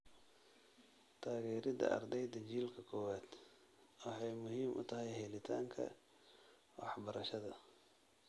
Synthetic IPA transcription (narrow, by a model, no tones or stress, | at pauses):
t̪ʰaːɣɛːɾɪd̪ɐ̰ʔɐ̰rd̪ɛjd̪ɐt͡ʃiːlkʰɐkʰɔːwaːd̪̥ | wɑħɑjmʊɦiːmʔʊ̰t̪ʰɐɦɛjɦɛlɪt̪ʰa̰ːŋkʰɐ̰ | wɑħbɐɾɐʃɐðɐ